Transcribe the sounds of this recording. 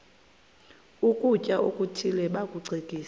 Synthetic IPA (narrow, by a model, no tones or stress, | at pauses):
ukʼucʼaʔokʼutʰilɛɓakʼuǀʱekʼiːs